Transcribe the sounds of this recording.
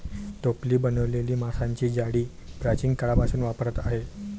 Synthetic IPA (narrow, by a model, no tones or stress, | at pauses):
t̪opliːbənəʋleliːmasaɲt͡ɕiːd͡ʑaɽiː | pɾat͡ɕiŋɡkəɭapasuːnʋapəɾət̪aɦe